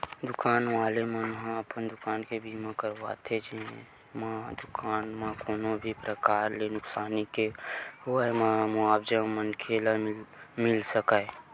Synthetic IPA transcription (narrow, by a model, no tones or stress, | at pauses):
d̪ʊkaːnʋaːlemənɦãəpənd̪ʊkaːnkebʱimãkəɾwa̰t̪ʰed͡ʒe | mãd̪ʊkaːnmãkoːnobʱipɾəkaːɾlenʊksaːnikeɦoəmamʊaːbd͡ʒəmənkʰelammɪlsəkə